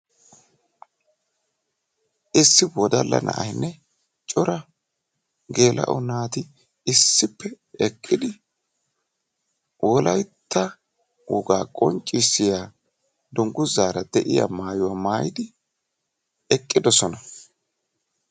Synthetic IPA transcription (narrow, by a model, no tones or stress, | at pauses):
ʔɪsːɪwɔd̪ɐlːɐ̰nʔɐ̰ʔɐjnːɛ | t͡ʃʼɔɾɐ | ɡe̞ːlʔɐ̰ʔɔnaːt̪ɪ | ɪsːɪpːɛ | ɛkʼːɪd̪ɪ | wʔɔlɐjt̪ʰːɐ | wʊ̰ɡaːkʼɔnt͡ʃʼːɪsːɪjaː | d̪ʊŋɡʊzaːɾɐd̪̥ɛʔɪja̰maːjʊwaːmaːjɪd̪ɪ | ɛkʼːɪd̪ɔsɔnɐ